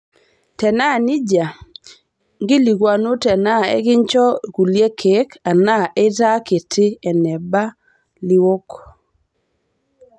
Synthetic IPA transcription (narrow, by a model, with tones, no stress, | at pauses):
tɛ˨na˦˨nɪ˦d͡ʒa˨ | ŋɡɪ˦li˨ɡwa˨no˦tɛ˨na˦ɛ̰˦ɡɪ˦nt͡ʃɔ˦˨ku˨lje˦kʰe˨˦ka˨na˦ʔɛ˦ta˦ke˨tʰɪ˦ɛ˨nɛ˨ba˦ | lɪ˦wo˦k